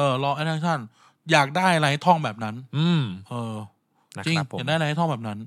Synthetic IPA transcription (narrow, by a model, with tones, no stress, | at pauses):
ʔɤː˧˩lɔː˧ʔa˧˥˩t̪ʰaː˥ŋt̪ʰa˥˩n | jaː˨˩k̚daː˥˩jla˧jha˥jt̪ʰɔ˥˩ŋbɛː˨˩p̚na˦˥nː˧˩ʔɤː˧˩ | t͡ɕi˧˦˩k̚daː˥˩ja˧jt̪ʰbɛː˨˩na˦˥n